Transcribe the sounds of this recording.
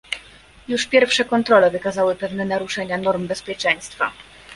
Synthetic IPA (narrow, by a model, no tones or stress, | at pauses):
juʂpʲjɛɾfʂɛkɔnt̪ɾɔlɛvɘkazawɘpɛvnɛnaɾuʂɛɲanɔɾmbɛspʲjɛt͡ʂɛj̃st̪fa